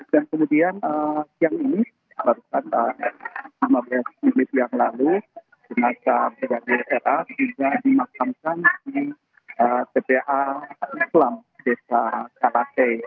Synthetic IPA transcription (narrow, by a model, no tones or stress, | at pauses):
dankəmudianəsijaŋini | barukanəmlimablasminɪt̪̚jaŋlalu | d͡ʒənasabiɡadiesɛrʔaiŋɡadimakamkansi | ət̪epeʔaislamdesakalate